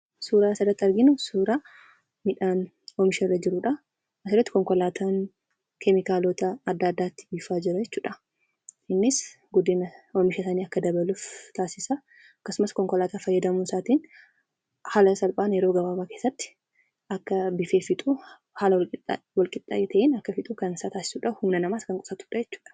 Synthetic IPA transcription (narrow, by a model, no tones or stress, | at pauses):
suːɾaːsɐd̪ɐt̪ːɐɾɡɪnʊsuːɾaː | mɪᶑaːn | ɔmɪʃɛrɐd͡ʒɪɾʊᶑa | ɐsɛd̪ɐt̪ːɪ̥kɔŋkɔlaːt̪ʰaːn | kɛmɪkaːloːt̪ɐːd̪ːɐːd̪ːaːt̪ːɪ̥bifaːd͡ʒɪɾɐjɛt͡ʃːuːᶑɐ | ɪnːɪs | ɡʊd̪ɪnɐɔmɪʃɐsɐniːɐkːɐd̪ɐbɐluːft̪aːsɪsɐ | ɐkːɐsʊmɐskɔŋkɔlaːt̪aːfɐjːɐd̪ɐmuːsaːt̪iːn | haːlɐsɐlpʼaːnɛɾoːɡɐbaːbaːke̞ːsːɐt̪ːɪ̥ | ɐkːɐbɪfeːfɪt̪ʼuː | haːlɐwɪwɐlkʼɪt̪ʼːa̰ʔet̪ɐʔeːnɐkːɐfɪt̪ʼuːkɐnɪsaːt̪aːsɪ̥suːᶑɐhʊmnɐnɐmaːskɐŋkʼɔ̥fɐt̪u̥ːᶑɐjɛt͡ʃːu̥ːᶑɐ̥